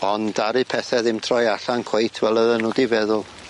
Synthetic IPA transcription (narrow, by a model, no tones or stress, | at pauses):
ɔndaɾɨpʰɛθɛðɪmtʰrɔjaɬankʰw̥ejtʰwɛlˠəðənuːdivɛðʊlˠ